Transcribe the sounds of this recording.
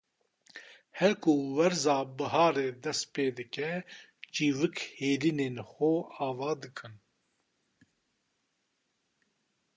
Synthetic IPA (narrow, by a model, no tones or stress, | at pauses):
hɛɾkʰuwɛɾzaːbɨɦɑːɾeːd̪ɛst̪peːd̪ɨkɛt͡ʃiːvɨkheːliːneːnxoaːvɑːd̪ɨkʰɨn